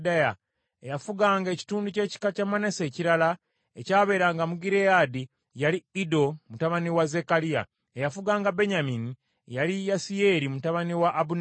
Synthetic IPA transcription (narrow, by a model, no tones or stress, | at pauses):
daja | ejafuɡaːŋɡe̞ci̥tuːnduce̞ːci̥kacamanese̞ːciɾala | ecaːβe̞ːɾaːŋɡamuɡiɾeaːdi | jaliido̞mutaβaniwaze̞kalija̰ | ejafuɡaːŋɡabe̞ɲamini | jalijasie̞ːɾimutaβaniwaʔːbun